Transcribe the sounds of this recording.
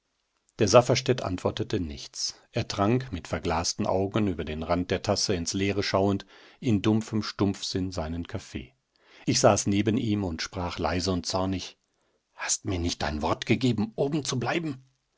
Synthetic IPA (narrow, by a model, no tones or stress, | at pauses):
d̥eːɐzafɐʃtɛtʔa̰ntv̥ɔɐtətənɪ̰çt͡sʔeːɐtʁ̥aŋkmɪtfɛɐɡlaːstn̩ʔa̰ʊɡn̩yːbɐdeːnʁant̚d̥eːɐtʰasəɪnsleːʁəʃaʊəntʔɪndʊmfəmʃtʊmp͡fz̥ɪnzaɪnənkʰafḛː | ʔɪçz̥aːsneːbənʔiːmʊntʃpʁ̥aːχla̰ɪzəʊnt̚t͡sɔɐnɪç | hastmiːɐnɪçt̚d̥a̰ɪnvɔɐtɡ̥əɡeːbm̩ʔoːbm̩t͡sublaɪbm̩